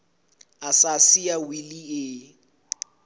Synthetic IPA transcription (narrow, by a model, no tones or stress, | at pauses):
asasiawiliɪ